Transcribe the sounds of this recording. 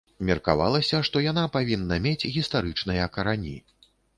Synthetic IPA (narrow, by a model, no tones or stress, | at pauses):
mʲɛrka̰va̰lˠɐsʲɐʂt̪ɔjan̪apavʲinːɐmʲet͡sʲɣʲist̪aɾɨt͡ʂnɨjɐkɐɾanʲḭ